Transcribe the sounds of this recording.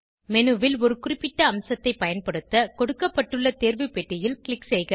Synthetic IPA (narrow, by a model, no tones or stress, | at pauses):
mɛnɯʋɪlɔɾɯkʊrɪpːɪʈːɐːmsɐt̪ːɐɪpːɐjɐnpɐɽɯt̪ːɐkɔɽɯkːɐpːɐʈːɯɭːɐt̪eːɾʋɯpːɛʈːɪjɪlkɪɭɪksɛjɣɐ